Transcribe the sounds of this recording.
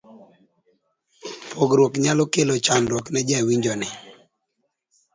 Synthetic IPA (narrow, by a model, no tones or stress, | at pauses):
pʰoɡɾwokɲalɔkelot͡ʃanɾwɔknɛd͡ʒawiɲd͡ʒɔnɪ